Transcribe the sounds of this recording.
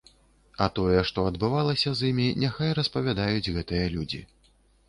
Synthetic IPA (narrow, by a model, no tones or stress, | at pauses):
ɐt̪ɔjɛʂt̪ɔɐd̪bɨvalˠɐsʲɐzimʲinʲɛxajɾɐspɐvʲad̪ajud͡zʲɣɛt̪ɨjɐlʲud͡zʲḭ